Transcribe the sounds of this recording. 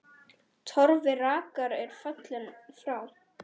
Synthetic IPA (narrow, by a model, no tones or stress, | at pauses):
t̪ʰɔɾvɪraːkaɾɛɾ̥fœt̪lʏnfɾaːw